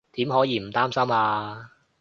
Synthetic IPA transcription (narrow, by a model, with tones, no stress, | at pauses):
t̪iː˨˥mɦɔː˨˥jiː˨˧m̩˨˩t̪aː˥msɐ˥maː˧